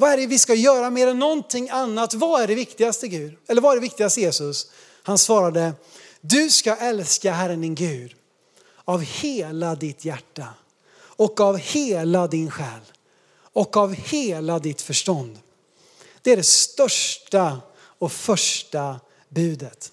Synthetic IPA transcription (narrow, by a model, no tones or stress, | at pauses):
vaæɖvɪskajœːɾameːɾɛnːɔnt̪ʰɪŋːanːat̪vaæɖɛvɪkt̪ɪɡast̪əɡʉ̟ːd̪ɛlːəɾvaæɖɛvɪk̚t̪ɪɡast̪əjeːsɵs | hansvɑːɾad̪ə | d̪ɵskaʔɛlskaɦæɾənd̪ɪnɡʉ̟ːd̪ | avheːlad̪ɪt̪ʰjæʈːa | ɔkavheːlad̪ɪnɧɛːl | ɔkavheːlad̪ɪt̪fœʂʈɔnd̪ | d̪̥ɛæɖɛst̪œʂʈa | ɔfœʂʈa | bʉ̟ːd̪ət̪